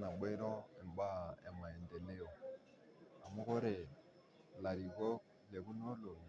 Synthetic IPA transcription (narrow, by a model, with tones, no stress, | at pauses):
na˨ɓe˦ɾɔ˦ɛ˨m˨ba˦ɛ˨ma˨ɛ˨n˨dɛ˨ne˦jɔ˨ | a˨mʊ˦kɔ˦ɾɛ˨ | la˨ɾi˨ɡɔ˦ | lɛ˨ku˦n˦o˦lo˨n˨˦